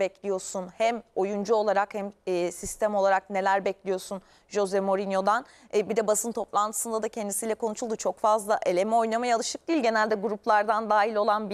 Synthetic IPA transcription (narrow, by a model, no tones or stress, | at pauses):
bɛclʲijo̞ɾsunhɛmo̞jund͡ʒuo̞lˠaɾakhɛmːsist̪ʰɛmo̞lˠaɾakne̞lʲæɾbɛclʲijo̞sun | ʒo̞zɛmo̞ɾinjo̞d̪anː | bid̪ɛbasɯnt̪ʰo̞plˠant̪ʰɯ̥sɯnd̪ad̪acʰɛnd̪isiːlʲɛkʰo̞nuʃulˠd̪ut͡ʃʰo̞kfazlˠaʔe̞lʲe̞mɛo̞jnamajalˠɯʃɯk̚d̪ijilʲɟe̞nælʲd̪ɛɡuɾuplˠaɾd̪and̪aːɦilʲo̞lˠanbi